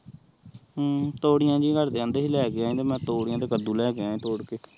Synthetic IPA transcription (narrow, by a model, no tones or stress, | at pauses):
t̪oːɽɪjãːd͡ʒiːɡəɾd̪eːə̃nd̪eːɦiːlɛːkeãːĩːt̪eːmɛ̃ːt̪oːɽɪjãːd̪eːkəd̪ũːlɛːkeãːẽːt̪oːɽkeː